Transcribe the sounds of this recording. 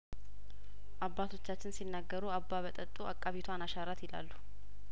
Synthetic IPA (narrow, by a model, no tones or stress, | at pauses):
ʔabːat̪ʰo̞t͡ʃːat͡ʃːɪnsinːaɡːəɾuabːaβət̪ʼət̪ʼːuakʼːaβit̪ʰwanaʃaɾat̪jɪla̰lːu